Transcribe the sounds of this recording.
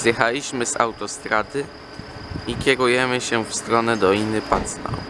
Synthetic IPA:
z̥jɛxalʲiɕmɘza̰wt̪ɔst̪ɾad̪ɘ | ikʲjɛɾujɛmɘɕɛfst̪ɾɔnɛd̪ɔlʲinɘpat̪st̪a̰w

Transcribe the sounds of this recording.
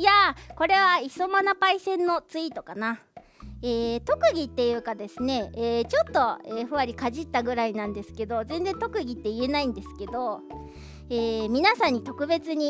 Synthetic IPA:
jako̞ɾe̞β̞aiso̞manapaisẽ̞nːo̞t͡sɨit̪o̞kana | eːt̪o̞kɯ̟ɡʲit̪ːe̞jɯ̟ːkad̪e̞sɨne̞ːt͡ɕo̞t̪ːo̞eːɸɯ̟βaɾʲikaʑit̪ːaɡɯ̟ɾainãnd̪e̞sɨ̥ke̞d̪o̞zẽ̞nd͡zẽ̞nt̪o̞kɯ̟ɡʲit̪ːeie̞naĩnd̪e̞sɨ̥ke̞d̪o̞ | eːmʲinasãɲ̟ːit̪o̞kɯ̟be̞t͡sɨɲ̟i

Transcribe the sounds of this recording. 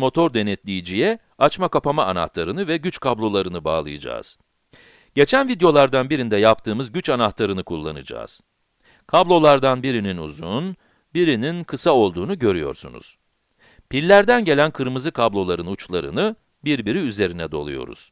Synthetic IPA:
mo̞t̪ʰo̞ɾd̪e̞nɛt̪lʲijid͡ʒijɛ | at͡ʃmakapamaːna̰ht̪ˠaɾɯnɯvɛɟyt͡ʃkʰablˠo̞lˠaɾɯnɯba̰ːlˠɯ̰jɯd͡ʒa̰ːz̥ | ɟ̥e̞t͡ʃʰænvid̪jo̞lˠaɾd̪anbiɾind̪ɛjap̚t̪ʰɯːmɯzɟyt͡ʃanaht̪ˠaɾɯnɯkʰulˠːa̰nɯ̰d͡ʒa̰ːz̥ | kʰablˠo̞lˠaɾd̪anbiɾininṵzun | biɾininkʰɯsao̞lˠd̪uːnuɟøɾyjo̞̰ɾsṵnṵz̥ | pilʲːæɾd̪ænɟe̞lʲænkʰɯɾmɯzɯkʰablˠo̞lˠaɾɯnut͡ʃlˠaɾɯ̰nɯ | biɾbiɾiyze̞ɾinɛd̪o̞lˠṵjo̞̰ɾṵz̥

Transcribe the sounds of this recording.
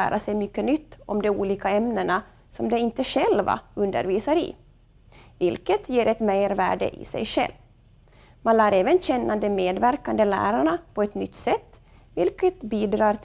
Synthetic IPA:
æ̰ːɾʔasɛjmʏkːənʏt̪ːɔmd̪ɛuːliːkaɛmnəɳa | sɔmd̪ɛɪnt̪əʂɛlva̰ɵnd̪ə̰ɾviːsaɾɪ̰ | vɪlkət̪jeːɾɛt̪mɛjɾvæ̰ːɖə̰ʔɪ̰sɛ̰jʂɛ̰lv | manlæːɾɛːvənɕɛnːand̪ɛmeːd̪væɾkand̪əlæ̰ːɾaɳapʰɔɛt̪nʏt̪ːsɛt̪ː | vɪlkət̪biːd̪ɾɑːɾt̪

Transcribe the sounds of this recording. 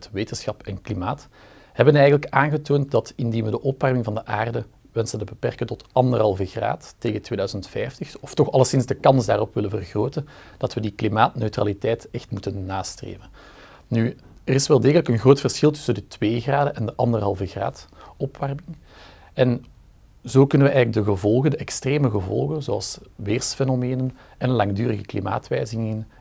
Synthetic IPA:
tʋeːtənsxɑpɛnklimaːt | hɛbənɛːjɣələkaːnɣətoːntdɑtɪndinʋədəʔɔpʋɛrmɪŋvɑndəʔaːrdə | ʋɛnsəntəbəpɛrkəntɔtʔɑndərɦɑlˠvəɣra̰ːtːeːɣətweːdœːzəntfɛjftəxɔftɔxɑlˠəsɪnzdəkɑnzdaːɾɔpʋɪləvərɣroːtənd̥ɑtʋədiklimaːtnøɥtra̰ːlitɛjtɛxtmutənːaːstrḛːvən | ny | ərɪsʋɛlˠdeːɣələkənɣroːtfərsxɪlˠtɵ̥səndətweːɣraːdəʔɛndəʔɑndərɦɑlˠvəɣra̰ːtɔpʋarmɪŋ | ɛn | zoːkɵnənʋəɛjɣələɡ̚dəɣəvɔlˠɣəndəʔɛkstreːməɣəvɔ̰lˠɣənzoɑ̰lˠsʋeːrsfɛnomeːnən | ɛnənlɑŋdyːɾəɣəklḭma̰ːtʋɛːjzɪŋŋən

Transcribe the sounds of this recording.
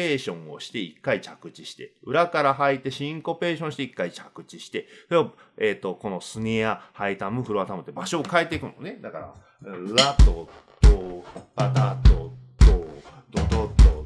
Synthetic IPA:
e̞ːɕõ̞ɰ̃o̞̰ɕi̥t̪e̞ikːait͡ɕakɯ̟t͡ɕiɕi̥t̪e̞ɯ̟ɾakaɾaɦait̪e̞ɕĩŋko̞pe̞ːɕõɕi̥t̪e̞ikːait͡ɕakɯ̟t͡ɕiɕi̥t̪e̞soɾeo | eːt̪ːo̞ko̞no̞sɨɲ̟iahait̪amɯ̟ɸɯɾoat̪amɯ̟t̪ːebaɕo̞ːkae̞t̪ːe̞ikɯ̟none̞d̪akaɾa̰ | ɾat̪ot̪opat̪at̪ot̪o | t̪ot̪ot̪o

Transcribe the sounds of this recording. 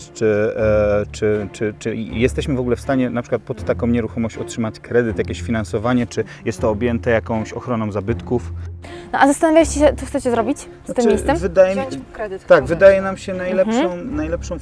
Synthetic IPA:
t͡ʂɘ | t͡ʂɘt͡ʂɘt͡ʂɘjɛst̪ɛɕmɘvɔɡulɛfst̪aɲɛnapʂɘkwat̪̚pɔt̪ːakɔ̃w̃ɲɛɾuxɔmɔɕt͡ɕɔtʂɘmat͡ɕkɾɛd̪ɘt̪jakʲeɕfʲinansɔvaɲɛt͡ʂɘjɛst̪ːɔːbʲjɛnt̪ɛjakɔ̃w̃ɕɔxɾɔnɔ̃w̃zabɘt̪kufnɔʔazast̪anavʲjaɕt͡ɕeɕɛt̪ɔxt̪sɛt͡ɕɛzɾɔbʲit͡ɕ | st̪ɪmʲːejsɛmvɘd̪ajɛmt̪aɡvɘd̪ajɛnamɕɛnajlɛʂɔ̃w̃najlɛpʂɔ̃w̃

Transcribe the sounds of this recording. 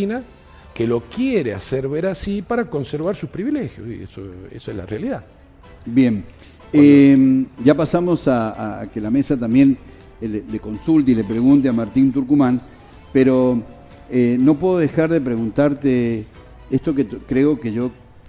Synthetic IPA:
ina | kelo̞kjeɾeaseɾβeɾasipaɾako̞nseɾβaɾsuspɾiβilexjosḭḛsoḛsoezla̰realiða | bje̞m | emd͡ʒapasamo̞saːke̞lame̞sat̪ambje̞n | leleko̞nsult̪eilepɾe̞ɣunt̪eamaɾt̪int̪uɾkumãn | peɾo̞ | eno̞p̬we̞ðoðe̞xaɾðe̞pɾe̞ɣunt̪aɾt̪e | est̪o̞k̬et̪kɾe̞o̞ke̞ʝo̞

